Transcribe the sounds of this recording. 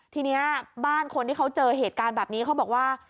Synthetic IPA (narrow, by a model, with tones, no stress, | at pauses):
t̪ʰiː˧ni˦˥ɐbaː˥˩nkʰo˧nt̪ʰiː˥˩kʰa˦˥wt͡ɕɤː˧ɦeː˨˩t̪̚kaː˧nbɛː˨˩p̚niː˦˥kʰa˦˥wbɔː˨˩k̚waː˥˩